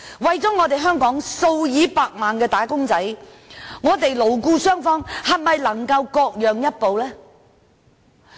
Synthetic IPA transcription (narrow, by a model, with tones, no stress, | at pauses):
wɐ˨jt͡sɔː˨˥ŋɔː˨˧t̪e˨jɦœː˥ŋkɔː˨˥ŋso˧wjiː˨˥paː˧k̚maː˨nkɛː˧t̪aː˨˥kʊ˥ŋt͡sɐ˨˥j | ŋɔː˨˧t̪e˨jlo˨˩wkuː˧sœː˥ŋfɔː˧ŋhɐ˨˩mɐ˨jlɐ˨˩ŋkɐ˧wkɔː˧k̚jœː˨ŋjɐ˥t̚po˨wlɛː˥